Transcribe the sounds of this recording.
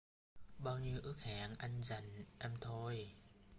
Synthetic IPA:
ɓaː˧wɲi˧əwʔɨ˦˥ək̚ha̰ː˧˨˩ŋʔa˧jŋ̟za˨˩jŋ̟ʔɛ˧mt̪ʰo˧j

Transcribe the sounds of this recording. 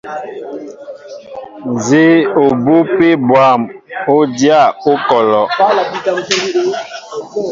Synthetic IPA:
n˨ze˦o˨bo˦pe˦bwa˦˨mo˦dja˦˨o˦kɔ˨lɔ˨˦lbi˦ta˨˦

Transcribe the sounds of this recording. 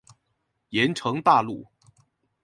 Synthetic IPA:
jɛ˧˥nʈ͡ʂʰɤ˧˥ŋt̪a˥˧lu˥˩

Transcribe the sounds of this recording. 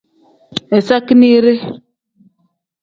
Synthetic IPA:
ɛ˨sa˦ki˦ni˦ɾe˦

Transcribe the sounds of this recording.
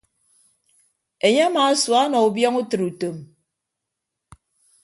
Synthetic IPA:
e˨ɲe˦a˦ma˨˦swa˦nɔ˨u˨bjɔ˦ŋu˦tɨ˨ɾu˨to˨m

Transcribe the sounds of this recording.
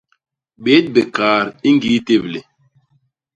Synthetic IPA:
ɓe˨˦t̚be˨kaː˨ɾi˦ŋɡi˨˦te˦˨ble˨

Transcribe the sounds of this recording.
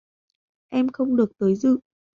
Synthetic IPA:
ʔɛ˧mxə˧wŋ͡mɗɨ˨˩ək̚t̪əː˨˦jzɨ̰˧˨

